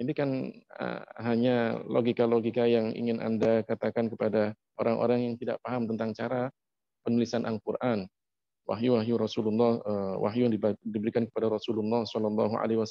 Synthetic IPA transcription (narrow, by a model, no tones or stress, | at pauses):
inikanə̰ɦaɲalo̰ɡikaloɡikajaŋḭŋɪnʔa̰ndakat̪akankəpada | ʔoɾaŋʔo̰ɾaŋjaŋt̪ida̰ʔpaɦamt̪ənt̪aŋt͡ʃaɾa | pənulisanʔalkurʔan | wa̰ɦjuwaɦjuɾɔsululːɑhəwʔa̰ɦjujaŋdibdibəɾikankə̥padaɾɔsululːɑhsɔlɑlːɑ̰ɦua̰leiwas